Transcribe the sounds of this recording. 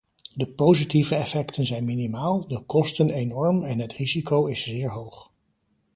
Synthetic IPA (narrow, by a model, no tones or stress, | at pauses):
dəpowzitivəɛfɛktʰənzɛjnminimaːlˠdəkɔstənejnɔɹmɛnɦətrizikowɪsz̥ɪːɹɦowχ